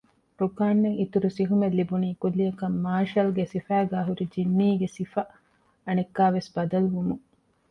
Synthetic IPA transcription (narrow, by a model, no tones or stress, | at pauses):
ɾukaːnːeit̪uɾusiɦumelːibuniːkulːijɐkɐmːaːʃɐlɡesifæːɡaːɦuɾid͡ʒinːiːɡesifɐ | ɐnekːaːʋesbɐd̪ɐluʋumuŋ